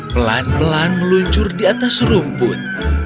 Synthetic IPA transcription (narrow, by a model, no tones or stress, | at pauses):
pəla̰npəlanməluɲt͡ʃʊrdiat̪asrumpʊt̪̚